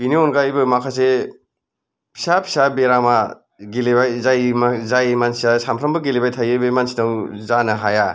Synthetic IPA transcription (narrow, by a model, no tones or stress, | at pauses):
biniɔnɡajbɯmakʰase | pʰi̥sapʰi̥sabeɾama | ɡilebajzajmazajmansiasampʰɾɐmbɯɡilebajtʰajɯjbɯmansinawzanɐɦaja